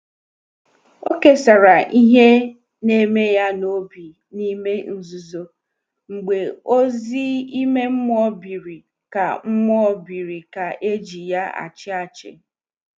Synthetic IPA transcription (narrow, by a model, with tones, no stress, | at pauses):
o˦ke˨sa˨ɾa˨ʔi˦ɦe˦ | ne˦me˦ja˦no˦bi˨ | ni˦me˦n̩˦zu˨zo˨ | ŋ͡m̩˨ɡ͡be˨o˦zi˦i˦me˦m̩˦mɔ˦bi˨ɾi˨ | ka˨ŋ͡m̩˦mɔ˦bi˨ɾi˨ka˨ʔe˦d͡ʒi˨ja˦a̰˨t͡ʃɪ˦a˨t͡ʃɪ̰˨